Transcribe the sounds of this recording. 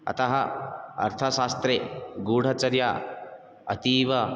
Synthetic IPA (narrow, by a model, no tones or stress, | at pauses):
ɐ̰t̪ɐɦɐɐ̰ɾt̪ʰɐʃaːst̪ɾeɡuːɽ̤ʱɐt͡ʃɐɾja | ɐt̪iːʋɐ